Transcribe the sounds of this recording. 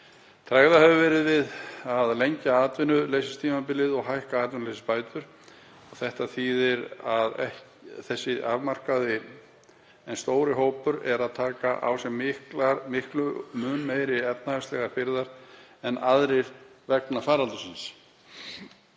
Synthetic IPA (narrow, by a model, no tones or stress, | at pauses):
t̪ʰɾaɣðahɛvɪvɛːɾɪðvɪðaðlejɲcaaːt̪vɪnʏlejsɪst̪ʰiːmapɪlɪðɔɣɦajhkaaːt̪vɪnlejsɪ̥spaːjt̪ʏɾ̥ | ɔɣθɛht̪aθiːðɪɾaðɛh | θɛsːɪʔavmar̥kaðɪ | ɛnst̪oːwɾɪɦoːwpʏɾɛɾaðt̪ʰaːkaʔa̰wsɛmːɪhklamɪhklʏmʏnmeːjɾɪɛp̪̚nahast̪ɛɣaɾpɪɾðaɾ̥ɛnaðɾɪɾvɛknafaːɾalt̪ʏsins